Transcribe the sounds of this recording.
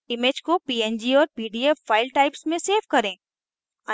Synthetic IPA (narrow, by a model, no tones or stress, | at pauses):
ɪmeːd͡ʒkopiːɛnd͡ʒiɔːɾpiːɖiːefaːɪlʈaːɪpsmẽseːʋkɐɾẽː | ɐ